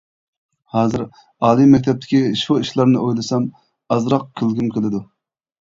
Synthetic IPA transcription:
hɑːzɨɾ | ɑːlˠimɛkʲt̪ʰɛp̚t̪ʰɪ̥kʲiʃuiʃlˠɑɾnɨʔojlˠɨsɛm | ɑzɾɑq̚kʲʰɪlɡʲimkʲʰelɪd̪u

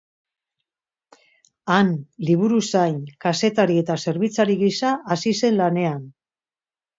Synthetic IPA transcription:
anliβ̞uɾusajnkase̞t̪aɾie̞t̪ase̞ɾβit͡saɾiɣisaʔːsise̞nlane̞an

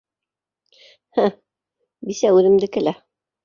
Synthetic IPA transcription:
hæ̃ | bisæʉðɘ̆md̪ɘkɘ̆læ

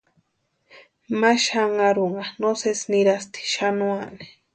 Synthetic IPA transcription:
maʃaŋaɾuɴɢɑnosesnɪɾast̪i̥ʃanuani̥

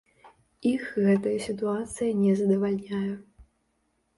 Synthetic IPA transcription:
ixɣɛt̪ɐjɐsʲit̪uat̪sɨjɐnʲɛzɐd̪ɐvalʲnʲajɛ

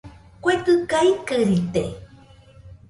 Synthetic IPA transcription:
kʷekɨkaikɨɾit̪e

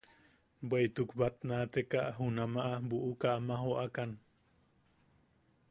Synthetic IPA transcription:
bwejt̪ukbat̪̚nat̪ekaʔɦunamaʔabuʔukaʔamaɦoʔakan

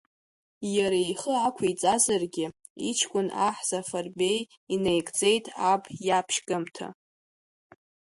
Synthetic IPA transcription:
jaɾajχəakʷʰit͡sʼazarɡʲɪ | it͡ʃʰkʷʼʊnaħz̥afarbe̞j | inejkʼt͡sʼe̞jtʼabjapʰʃɡɨmtʰa̰

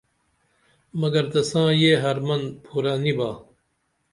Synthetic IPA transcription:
mɐɡɐɾd̪ɐsãːjeːɦɐɾmɐnpʰuːɾaːnibaː

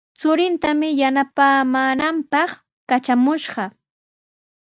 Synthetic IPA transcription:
t͡sʊɾɪnt̪amɪjanapaːmaːnampɑχ | kat͡ʃamʊʃɢɑ

